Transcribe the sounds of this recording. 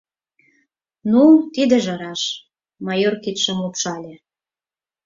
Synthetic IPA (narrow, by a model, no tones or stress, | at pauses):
nut̪id̪ĕʒɑ̆ɾɑʃ | mɑjorkit̪ʃə̆mlupʃɑlʲĕ